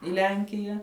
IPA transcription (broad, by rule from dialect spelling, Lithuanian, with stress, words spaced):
ɪ ˈlʲɛŋʲkʲɪjɛ